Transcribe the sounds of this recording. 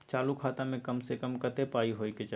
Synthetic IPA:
t͡ʃaːlukʰaːt̪amẽkɐmsekəmkət̪epaːiɦoːiket͡ʃa

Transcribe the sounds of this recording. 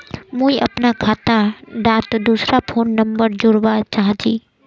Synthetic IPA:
mũːiʔɐpnakʰaːt̪aɖaːt̪d̪uːsɾapʰoːnːəmbəɾd͡ʒʊɾʋat͡ʃaɦãd͡ʒiː

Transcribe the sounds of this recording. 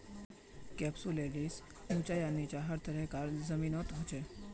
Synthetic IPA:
kɛpsuleɽis | mũt͡ɕajanːit͡ɕjaɦəɾt̪ʰəɾɛkaɾzəminɔt̪ɦot͡ɕe

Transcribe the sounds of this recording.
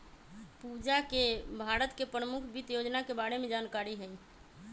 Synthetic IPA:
pud͡ʒakebʱaɾət̪kepɾəmukʰbʱit̪jod͡ʒnakebaɽemed͡ʒankaɾiɦəi

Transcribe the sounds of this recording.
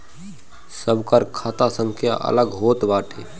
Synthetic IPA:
səbkəɾkʰaːt̪asə̃ŋkʰja̰ʔə̰ləɡɦoːt̪baːʈʰeː

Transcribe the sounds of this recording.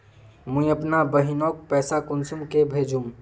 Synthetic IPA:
mũiəpnabəɦinɔk̚pɛsakunsumkebʱed͡ʒʱum

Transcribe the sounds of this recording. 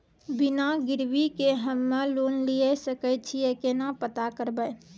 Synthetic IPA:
bɪnaɡɪɾwikeɦəmːeloːnliesəkət͡ʃʰijekenapət̪akəɾbə

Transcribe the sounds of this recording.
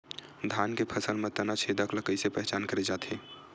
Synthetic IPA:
d̪ʱankepʰəsəlmet̪ənat͡ʃʰed̪əkləkəɪsepɛɦt͡ʃaːnkəɾed͡ʒaːt̪ɦe

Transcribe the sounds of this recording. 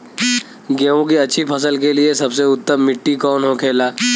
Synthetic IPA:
ɡeʋõkiɐtːʃʰipʰɐs̬əlkeliesɐbseʊt̪ːəmːɪʈːikɔːnɦokʰeːlaː

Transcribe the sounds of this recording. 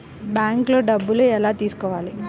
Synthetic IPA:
bjaːŋkloːɖɐbːuluɛlaːt̪iːsu̥kɔːʋaːli

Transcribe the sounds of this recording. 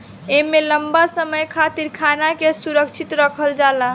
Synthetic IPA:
emeləmbasəməjkʰat̪iɾkʰanakesuɾəkt͡ʃʰit̪ɾəkʰəld͡ʒala

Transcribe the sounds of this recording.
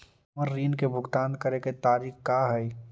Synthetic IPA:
məɾːiːnkebʱʊɡt̪aːnd̪kəɾeket̪aːɾiːxkaːɦɛi

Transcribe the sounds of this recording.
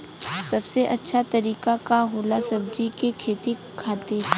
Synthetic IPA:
sɐbseʔɐtːʃʰat̪ɐɾiːkakaɦoːlasɐb̚d͡ʒikekʰeːt̪i | kʰaːt̪eː

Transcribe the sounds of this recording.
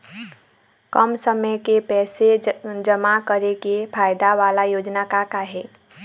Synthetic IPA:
kəmsəməjkepɛːsed͡ʒəmakəɾekepʰaːjd̪aʋalajoːd͡ʒnakakaɦeː

